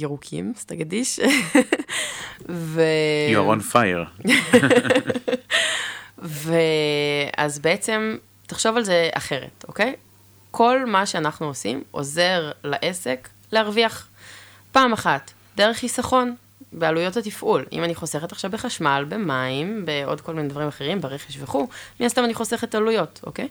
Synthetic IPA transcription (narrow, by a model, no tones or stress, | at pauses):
iʁukʰḭmst̪aɡadiʃ | veaʁonfajḛʁ | ve | a̰zbeet͡se̞m | taχʃo̞valzeʔa̰χe̞ʁḛto̞ke̞j | kʰo̞lmaʃeanaχnuosimʔo̞̰ze̞ʁlaʔesek | leaʁviaχ | paːmaχat | deʁeχisaχo̞n | bealujo̞tatifʔulḭmaniχo̞seχetaχʃavbeχaʃmalbemaimbeo̞̰d̚ko̞lminedvaʁimaχeʁimbeʁeχeʃveχumiastamaniχo̞se̞χetalujo̞tʔo̰kej